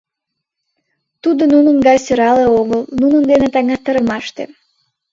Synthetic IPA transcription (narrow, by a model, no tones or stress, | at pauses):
t̪ud̪onunənɡɑjsøɾɑleoɣəlnunənd̪enet̪ɑŋɑt̪ːəɾəmɑʃt̪ḛ